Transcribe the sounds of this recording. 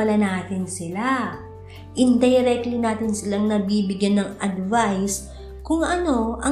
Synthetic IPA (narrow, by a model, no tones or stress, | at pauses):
ɐlɐnaːt̪ɪnsɪla | ʔɪnd̪ɐjɾɛklinaːt̪ɪnsɪlaŋnɐbiːbɪɡjanːɐŋɐd̪vajs | kʊŋʔɐno̞ʔɐ